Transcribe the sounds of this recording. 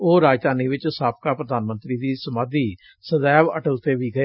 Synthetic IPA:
oːɾaːd͡ʒd̪aːniːʋɪt͡ʃsaːp̚kaːpɾəd̪aːnmə̃nt̪ɾiːd̪iːsəmaːd̪iː | səd̪ɛːʋə̰ʈəlt̪eːʋiːɡəeː

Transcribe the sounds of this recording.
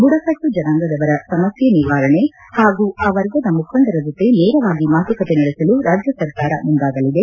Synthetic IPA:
buɽɐsɐkʈud͡ʒɐnaːŋɡɐd̪ɐʋɐɾɐsɐmɐsjɐniɾʋaːɾɐɳe̞ | haːɡuːɐʋɐɾɡɐd̪ɐmukʰɐnd̪ɐɾɐd͡ʒot̪ːeneːɾɐʋaːɡimaːt̪ʰukɐt̪enɐɭesɐluɾaːd͡ʒjɐsɐɾkaːɾɐmund̪aːɡɐlid̪e̞

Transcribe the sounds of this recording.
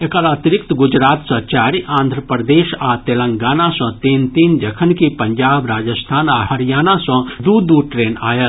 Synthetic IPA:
ekəɾaːt̪iɾɪk̚t̪ɡʊd͡ʒɾaːt̪sɐt͡ʃaːɾiʔãːnd̪ʱɾəpɾəd̪eːʃat̪elə̃ŋɡaːnasə̃t̪iːnt̪iːnd͡ʒəkʰənkipəɲd͡ʒaːbɾaːd͡ʒəst̪ʰaːnaɦəɾijaːnasə̃d̪ud̪uʈɾeːna̰ːjət̪

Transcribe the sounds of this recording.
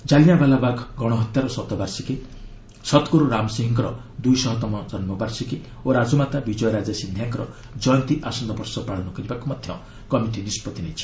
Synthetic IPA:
d͡ʒalijabalabaɡʱɡɔɽ̃ɔɦɔt̪jaɾɔsɔt̪ɔbaɾsike | sɔt̪ɔkuɾuɾamsiɦĩŋkɔɾɔd̪ujsɔɦɔt̪ɔmɔd͡ʒɔnmɔbaɾsike | oɾad͡ʒɔmat̪abid͡ʒɔjɔɾad͡ʒasind̪ʱjaŋkɔɾɔ̰ | d͡ʒɔjɔnt̪iʔasɔnd̪ɔpɔɾsɔpɾaɭɔnɔkɔɾibakumad̪ʱjɔ | kɔmiʈinispɔt̪inet͡ʃʰi̥

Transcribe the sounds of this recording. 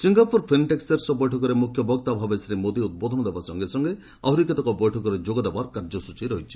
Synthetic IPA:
siŋɡapuɾpʰinʈekseɾsɔbɔjʈʰɔkɔɾemukʰjɔbʱɔkt̪abʱabesɾemod̪iut̪̚bɔd̪ʱɔnɔd̪ebasɔŋɡesɔŋɡe | a̰ɦuɾikɔt̪ɔkɔbɔjʈʰɔkɔɾed͡ʒoɡɔd̪ebaɾɔkaɾd͡ʒɔsut͡ʃiɾɔɦit͡ʃʰi̥

